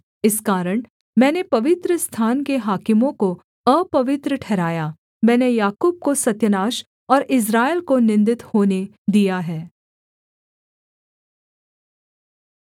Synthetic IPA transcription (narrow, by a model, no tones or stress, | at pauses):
ɪskaːɾəɽ̃ | mɛ̃ːnepɐʋɪt̪ɾəst̪ʰaːnkeɦaːkɪmõko | ɐpɐʋɪt̪ɾəʈʰɛːɾaːjaː | mɛ̃ːnejaːkuːb̚kosɐt̪jənaːʃ | ɔːɾɪs̬ɾaːelkonɪ̃nd̪ɪt̪hoːne | d̪ijaɦɛː